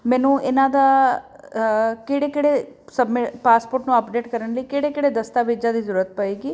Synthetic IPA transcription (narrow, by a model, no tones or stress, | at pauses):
mɛ̃ːnũːɪnãːd̪aː | kɪɽeːkɪɽesəbmɪʈpaːspoːɾʈnũːəpɖeːʈkəɾənləiːkɪɽeːkɪɽeːd̪əst̪aːʋeːd͡ʒãːd̪iːzəɾuːɾət̪̚pəeːɡiː